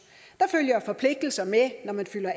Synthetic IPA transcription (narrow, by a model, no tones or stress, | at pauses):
d̥ɑ̈føljɐfɒ̽pʰle̝ɡ̥̚d̥l̩sɐmenɒmænfyl̰ɐ